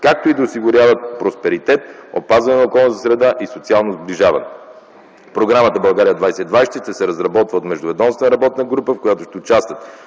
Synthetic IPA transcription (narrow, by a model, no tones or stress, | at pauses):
kak̚t̪oid̪ɐosiɡʊɾʲjavət̪̚pɾospɛɾit̪ɛt̪o̰pazvɐnɛnɐokɔlˠnət̪əsɾɛd̪aʔisot̪sialˠnozbliʒavɐ̰nɛ | pɾoɡɾamət̪əbɐlˠɡaɾijəd̪vajsɛid̪vajst̪ɛʃt̪ɛsɛɾɐzɾɐbɔt̪vəot̪mɛʒd̪ʊvɛd̪ɔmsɛnɾɐbɔt̪nəɡɾupəfkojat̪oʃt̪ɛʊt͡ʃast̪vət̪